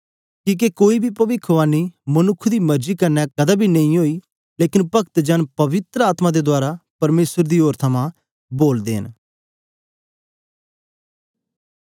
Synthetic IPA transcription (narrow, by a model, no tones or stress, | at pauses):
kiːk̬ekoːiːbʱiːpəʋɪkʰːʋaːniːmənʊkʰːd̪iːməɾd͡ʒiːkəɾnɛːkəd̪aːbʱiːnəĩɦoːiː | leːkɪnpəkt̪d͡ʒənpəʋɪt̪ɾəaːt̪mãːd̪eːd̪ʊaːɾapəɾmeːsəɾd̪iːɦoːɾt̪ʰəmãː | boːld̪ḛːɦə̰n